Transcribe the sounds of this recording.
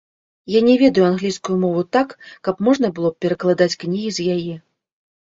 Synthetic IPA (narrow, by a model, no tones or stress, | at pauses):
janʲɛvʲɛd̪ɐjuanɣlʲijskujumɔvut̪akːɐpmɔʐn̪ɐbɨlˠɔpʲɛɾɐklˠad̪at͡sʲknʲiɣʲizʲjajɛ